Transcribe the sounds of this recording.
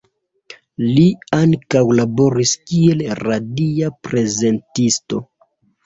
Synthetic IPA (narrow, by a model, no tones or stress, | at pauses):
liaŋkawlabo̞ɾiskie̞lɾadiapɾe̞ze̞ntisto̞